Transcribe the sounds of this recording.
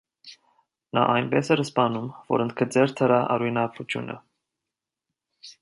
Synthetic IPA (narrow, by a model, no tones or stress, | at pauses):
nɑ̰ʔɑjnbɛsɛɾəspɑnumvɔ̰ɾənt̪̚kʰət͡sɛɾt̪ʰəɾɑʔɑ̰ɾujnɑkut͡sʰjṵnʔə̰